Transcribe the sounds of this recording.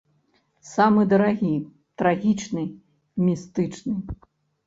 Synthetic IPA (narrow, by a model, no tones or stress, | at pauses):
samɨd̪ɐɾaɣʲi | t̪ɾaɣʲit͡ʂnɨ | mʲist̪ɨt͡ʂnɨ